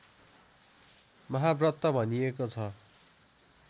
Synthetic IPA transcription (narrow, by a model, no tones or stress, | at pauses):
mʌɦabrʌt̪ːʌbʱʌniekot͡sʰʌ